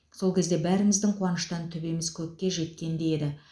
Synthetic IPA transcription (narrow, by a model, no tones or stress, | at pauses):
so̞lˠkʲʰe̞zd̪e̞bæɾɪmɪzd̪ɪŋqʰwɑnəʃt̪ɑnt̪ʰʏbe̞mɪz̥kʲʰɵk̚ʲːe̞ʒe̞t̪̚kʲe̞nd̪e̞e̞d̪ɪ